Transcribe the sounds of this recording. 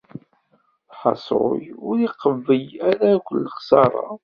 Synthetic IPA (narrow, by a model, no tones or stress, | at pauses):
θħɑsˤɾo̰jʊɾiqːəvːəjæɾækʷəlːəχsɑɾˤɑ̰